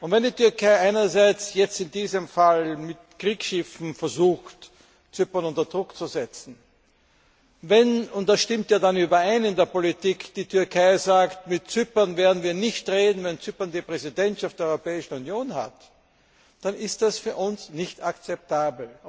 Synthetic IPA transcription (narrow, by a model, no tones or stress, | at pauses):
ʔʊntvɛndiːtʰʏɐkʰaɪʔaɪnɐzaɪt͡sjɛt͡stɪndiːzəmfalmɪtkʁiːksʃɪfn̩fɛɐzuːxt | t͡sʏpɐnʊntɐd̥ʁʊkt͡suzɛt͡sn̩ | vɛnʊntd̥asʃtɪmtjaːdanyːbɐaɪnɪndeːɐpolitiːkd̥iːtʰʏɐkʰaɪzaːktmɪt̚t͡sʏpɐnveːɐdn̩viːɐnɪçtʁeːdn̩vɛnt͡sypɐndipʁɛzidɛntʃaftd̥ɛɐɔʏʁopɛːɪʃn̩unjoːnha̰t | d̥anɪst̚d̥asfyːɐʔʊnsnɪçtakt͡sɛp̚taːbl̩